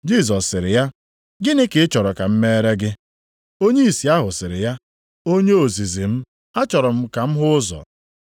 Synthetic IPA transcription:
d͡ʒi˦˨sɔ˨sːɪ˨ɾɪ˨ja˦ | ɡɪ˦nɪ˦kɪ˨ɪ˦t͡ʃɔ˨ɾɔ˨ka˨m̩˦me˦ɾe˦ɡɪ˦ | o˦ɲe˦i˨si˨a˦ɦʊ˨sɪ˨ɾɪ˨ja˦ | o˦ɲe˦o˨zi˨zi˨m̩˦ | a˦t͡ʃɔ˨ɾɔ˨m̩˦ka˨m̩˦ɦʊ˦ʊ˦zɔ̰˨

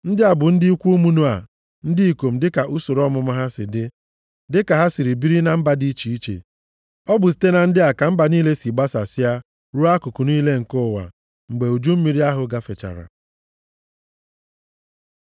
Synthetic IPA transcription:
n̩˦dɪ˦a˨bʊ˨n̩˦dɪ˦i˦kʷu˦u˦mu˦nu˦a̰˨ | n̩˦dɪ˦i˨ko˨m̩˨dɪ˦ka˨ʔu˦so˨ɾɔ˦mʊ˨ma˦ɦa˦sɪ˨dɪ˦ | dɪ˦ka˨ɦa˦si˨ɾi˨bi˦ɾi˦na˨m̩˦ba˨di˦t͡ʃi˨i˦t͡ʃḛ˨ | ɔ˦bʊ˨s̬i̥˨te˦na˨n̩˦dɪ˦a˨ka˨m̩˦ba˨niː˦le˦si˨ɡ͡ba˦sa˨sɪ˦a˦ | ɾu˦a˦kʊ˨kʊ˨niː˦le˦ŋ̩˨kʊ˦˨wa̰˨ | ŋ͡m̩˨ɡ͡be˨u˨d͡ʒu˦m̩˦mi˨ɾi˦a˦ɦʊ˨ɡa˦fe˨t͡ʃa̰˨ɾa̰˨

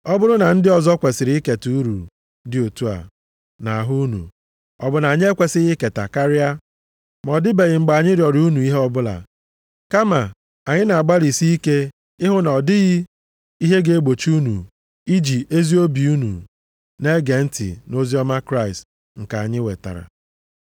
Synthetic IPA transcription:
ɔ˦bʊ˦ɾʊ˦na˨n̩˦dɪ˦ɔ˨zɔ˦kʷe˨sɪ˨ɾɪ˦ke˨tuu˦ɾṵ˨ | dɪ˨o˨tu˦a̰˨ | na˨a˨ɦʊ˦nṵ˨ | ɔ˨bʊ˨na˨ɲ˦e˦kʷe˨sɪ˦ɣɪ˦ke˨ta̰˨ka˦ɾɪ˦a˦ | mɔ˨dɪ˦be˨ɣɪ˨ŋ͡m̩˨ɡ͡ba˨ɲɪ˦ɾjɔ˨ɾu˦nu˨i˦ɦe˦ɔ˦bʊ˦la̰˨ | ka˦ma˨ | a˨ɲɪ˦na˨a˨ɡ͡ba˦ɾi˨si˦i˦ke˦ | ɪ˦ɦʊ˦nɔ˨dɪ˦ɣɪ˦ | i˦ɦe˦ɡe˦e˦ɡ͡bo˨t͡ʃu˦nṵ˨ | i˦d͡ʒi˨e˦zi˦o˦bi˨u˦nṵ˨ | ne˦ɡe˨n̩˦tɪ̰˨no˦zi˦ɔ˦ma˦kɾa˦ɪ˨st | ŋ̩˨ka˨a˨ɲɪ˦we˨ta̰˨ɾa̰˨

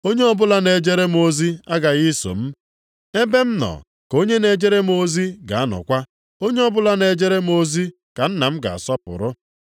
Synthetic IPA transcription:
o˦ɲe˦ɔ˦bʊ˦la˦ne˨d͡ʒe˦ɾe˦m˦o˦zi˦a˦ɡa˨ɣi˦so̰˨m̩˦ | e˦be˦m̩˦nɔ̰˨ | ko˦ɲe˦ne˨d͡ʒe˦ɾe˦m˦o˦zi˦ɡa̰˨a˦nɔ̰˨kʷa˦ | o˦ɲe˦ɔ˦bʊ˦la˦ne˨d͡ʒe˦ɾe˦m̩˦o˦zi˦ | ka˨n̩˦na˨m̩˦ɡa̰˨a̰˨sɔ˦pʊ̰˨ɾʊ˦

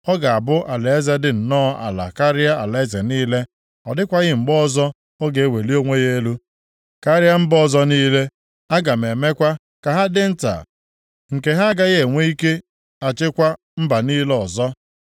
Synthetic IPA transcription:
ɔ˦ɡa˨a˨bʊ˦ʔa˨le˨e˦ze˦dɪ˨n̩˨nɔ˦a̰˨la̰˨ka˦ɾɪ˦a˦a̰˨le˨e˦ze˨niː˦le˦ | ɔ̰˨dɪ˦kʷa˦ɣɪ˦ŋ͡m̩˨ɡ͡bɔ˦zɔ˦ | o˦ɡe˨e˦we˨li˦o˦ŋʷe˦ɣe˦e˦lu˦ | ka˦ɾɪ˦a˦m̩˦bɔ˦˨zɔ˦niː˦le˦ | a˦ɡa˨m̩e˨me˦kʷa˦ | ka˨ɦa˦dɪ˦n̩˦ta̰˨ | ŋ̩˨ke˨ɦa˦ɡa˦ɣe˨ŋʷe˦i˦ke˦ | a˨t͡ʃɪ˦kʷa˦ | m̩˦ba˨niː˦le˦ɔ˨zɔ˦

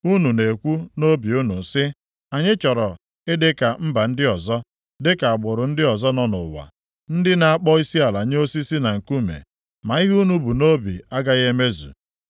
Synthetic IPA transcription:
u˦nu˨ne˨kʷu˦no˦bi˨u˦nu˨sɪ˦ | a˨ɲɪ˦t͡ʃɔ˨ɾɔ˨ | ɪ˦dɪ˦ka˨m̩˦ba˨n̩˦dɪ˦ɔ˨zɔ˦ | dɪ˦ka˨a˨bʊ˨ɾʊ˨n̩˦dɪ˦ɔ˨zɔ˦nɔ˦nʊ̰˨wa̰˨ | n̩˦dɪ˦na˨a˨k͡pɔ˦i˦si˦a˨la˨ɲ˦o˦si˦si˦na˨ŋ̩˨ku˦mḛ˨ | ma˨i˦ɣu˦nu˦bu˨no˦bi˨a˦ɡa˦ɣe˦me˦zṵ˨

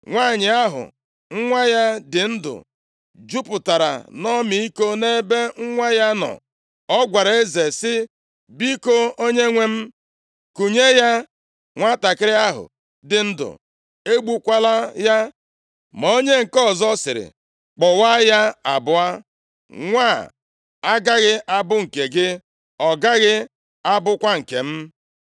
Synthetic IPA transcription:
ŋʷa˦˨ɲɪ˨a˦ɦʊ̰˨ | ŋ̩˦ŋʷa˦ja˦dɪ˨n̩˦dʊ̰˨ | d͡ʒu˦pʊ˨ta˨ɾa̰˨nɔ˦mi˨i˦ko˦ne˦be˦ŋ̩˦ŋʷa˦ja˦nɔ̰˨ | ɔ˦ɡʷa˨ɾe˦ze˨sɪ˦ | bi˦ko˦o˦ɲe˦ŋʷe˦m̩˦ | ku˨ɲe˦ja˦ | ŋʷa˦ta˨kɪ˦ɾɪ˦a˦ɦʊ̰˨ | dɪ˨n̩˦dʊ̰˨ | e˦ɡ͡bu˦kʷa˦la˦ja˦ | mɔ˨o˦ɲe˦ŋ̩˨kɔ˦˨zɔ˦sɪ˨ɾɪ̰˨ | k͡pɔ˨wa˦ja˦a̰˨bʊ˨a˦ | ŋʷa˦˨ | a˦ɡa˦ɣɪ˦a˦bʊ˦ŋ̩˨ke˨ɡɪ˦ | ɔ˨ɡa˦ɣɪ˦ | a˦bʊ˦kʷa˦ŋ̩˨ke˨m̩˦

